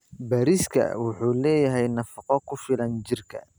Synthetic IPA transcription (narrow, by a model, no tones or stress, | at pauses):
bɐːɾɪskʰɐ̰wʊħuːlɛːjɐɦɛjnɑfɑqɔkʰʊfɪlɐnt͡ʃɪrkʰɐ̰